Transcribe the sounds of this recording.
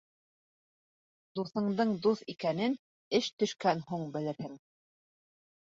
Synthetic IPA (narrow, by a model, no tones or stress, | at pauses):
d̪uθɤ̆ɴd̪ɤɴd̪uθikænɘn | ɘʃt̪ɵ̆ʃkænɦuɴbɘ̆lɘ̆ɾhɘŋ